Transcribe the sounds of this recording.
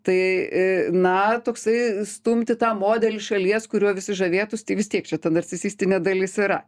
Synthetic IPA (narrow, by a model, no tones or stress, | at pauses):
t̪ɐɪ | nɐt̪oːksɐɪst̪uːmʲt̪ʲɪt̪ɑːmoːd̪ʲɛlʲɪʃɐlʲiɛskʊɾʲuɔʋʲɪsʲɪʒɐʋʲeːt̪ʊst̪ʲɐɪʋʲɪst̪ʲiɛkt͡ʃʲɛt̪ɐnɐɾʲt͡sʲɪsʲiːsʲt̪ʲɪnʲeːd̪ɐlʲɪsɪɾɐ